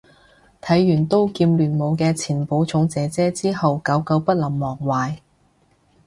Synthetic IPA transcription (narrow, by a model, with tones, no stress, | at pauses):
t̪ʰɐ˨˥jːyː˨˩nt̪o˥wkiː˧mlyː˨˩nmo˨˧wkɛː˧t͡sʰiː˨˩npo˨˥wt͡sʰʊ˨˥ŋt͡sɛː˨˧˥t͡sɛː˥t͡siː˥hɐ˨wkɐ˨˥wkɐ˨˥wpɐ˥t̚lɐ˨˩mːɔː˨˩k̚waː˨j